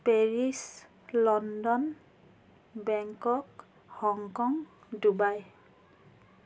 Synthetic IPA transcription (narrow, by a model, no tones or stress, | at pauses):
peɹis | lɔndɔn | bɛŋkɔk | hɔŋkɔŋdubaj